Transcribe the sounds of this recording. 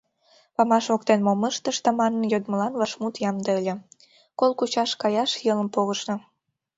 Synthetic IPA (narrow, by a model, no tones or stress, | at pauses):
pɑmɑʃokt̪enmoməʃt̪ə̆ʃt̪ɑmɑnːɤjod̪məlɑnvɑʃmut̪jɑmd̪əəlʲĕ | kolˠkut͡ɕɑʃkɑjɑʃjələ̆mpoɣəʃnɤ̆